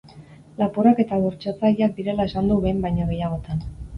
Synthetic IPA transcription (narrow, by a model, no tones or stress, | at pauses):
lapurake̞t̪aβoɾt͡ʃat͡saʎiak̚d̪iɾe̞lae̞sand̪uβe̞jmbajɲaɣ̞e̞jaɣ̞o̞t̪an